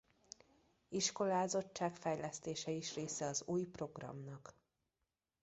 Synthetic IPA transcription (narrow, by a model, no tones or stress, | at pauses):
iʃko̞laːzo̞t͡ʃːaːkfɛjlɛst̪eːʃɛiʃreːsɛɒzuːjpro̞ɡrɒ̰mnɒk